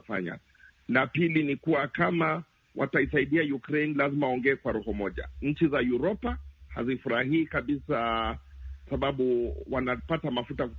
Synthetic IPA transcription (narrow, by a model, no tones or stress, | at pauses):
fa̰ɲa̰ | lapilinikuwakama | wʔa̰taisaiɗiajukɾejnlazimaɔŋɡɛːkwaɾɔhɔmɔʄa̰ɲ̩t͡ʃizajuɾɔpaha̰zifuɾahiːkaɓisa | kasaɓaɓuwanapatamafutak